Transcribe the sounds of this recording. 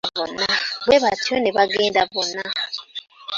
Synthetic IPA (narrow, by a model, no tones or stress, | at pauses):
vonaβweβatʰioneβaɡeːndavona